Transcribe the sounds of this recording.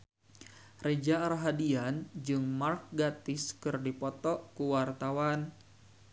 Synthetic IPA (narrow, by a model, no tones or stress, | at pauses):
red͡ʒaɾaɦadiand͡ʒɨŋmark̚ɡat̪ɪskɨrdipɔt̪ɔʔkuwart̪awan